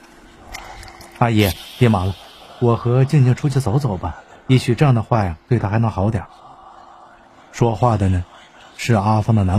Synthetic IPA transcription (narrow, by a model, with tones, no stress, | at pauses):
a˥jɛ˧˩t̪jɛ˧˥ma˨˩lu˥˩wɔ˨˩xɤ˧˥t͡ɕi˥˧ŋt͡ɕʰi˥˩ŋʈ͡ʂʰu˥t͡ɕʰi˧˥˩t͡so˧˥ʊt͡so˨˩ʊbɐ˦i˥˩ɕy˨˩ʈ͡ʂɤ˥˧jɑ˥˩ŋd̪ə˩xwa˥˩jɑ˨˩t̪we˥˩ɪt̪ʰa˥xa˧˥ɪ˧˥ŋxɑ˧˥ʊt̪jɑ̰˨˩˦ | ʂwɔ˥xwa˥˩d̪ə˩nə˩ | ʂɻ̩˥˩a˥fɑ˥ŋd̪ə˨na˧˥